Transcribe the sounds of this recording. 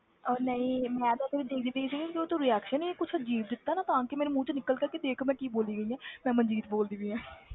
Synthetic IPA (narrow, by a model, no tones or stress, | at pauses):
ɔːɾnəĩːmɛ̃ːd̪oːt̪eːʋɪt͡ʃʰd̪eːkʰd̪iːʋeisiːɡĩkioːt̪õːɾɪɛːkʃənikʊt͡ʃʰd͡ʒiːb̚d̪ɪt̪ːaːnaːt̪ãːkɪmɛːnũmũːt͡ʃnɪkəlkəɾked̪eːkʰmɛ̃ːkiːboːliːɡəiːãːmɛ̃ːmənd͡ʒiːt̪boːld̪iːʋiːɦãː